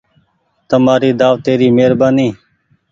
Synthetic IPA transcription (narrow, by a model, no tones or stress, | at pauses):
t̪əmaːɾiːd̪aːʋt̪eːɾiːmeːɾbaːniː